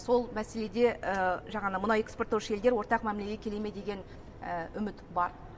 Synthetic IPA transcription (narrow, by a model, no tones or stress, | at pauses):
so̞lˠmæse̞le̞d̪e̞əʒɑʁɑnəmʊnɑwe̞kspot̪ːowʃəe̞ld̪ewo̞ɾt̪ɑqmæmleɡʲe̞kʲʰe̞le̞me̞d̪e̞ɡʲe̞n | əʏmɪt̪bɑɾ